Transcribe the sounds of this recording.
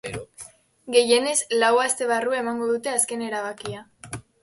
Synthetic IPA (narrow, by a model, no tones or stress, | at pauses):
ɡe̞je̞ne̞zlawast̪e̞β̞aruae̞maŋɡo̞ðut̪e̞aske̞ne̞ɾaβ̞akia